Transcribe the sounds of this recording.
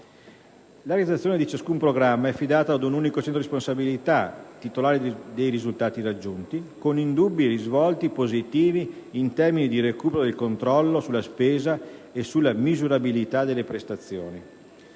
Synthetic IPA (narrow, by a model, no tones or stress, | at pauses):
laɾed̪at̪sːjoːned̪it͡ʃaskumpɾoɡɾamːaɛfːid̪aːt̪aːd̪unuːnikot͡ʃɛnt̪ɾoɾispõnsabilit̪at̪ːit̪olaːɾed̪ejɾizult̪aːt̪irad͡ʒːunt̪ikonind̪ubːieɾizvɔlt̪ipozit̪iːviːnt̪ɛrminid̪iɾekuːpeɾod̪elkont̪ɾɔlːosulːaspeːzaesulːamizuɾabilit̪ad̪elːepɾest̪at̪sːjo̰ːni